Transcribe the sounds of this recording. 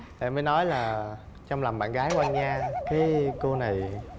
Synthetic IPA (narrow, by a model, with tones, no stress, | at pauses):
ɗḛ˧˩məː˨˦jnɔ˨˦jlaː˨˩ | t͡ɕɔ˧ŋ͡mlɔ˨˩ŋ͡mɓa̰ː˧˨nɣaː˨˦jkwa˧nɲaː˧kaː˨˦jko˧na˨˩j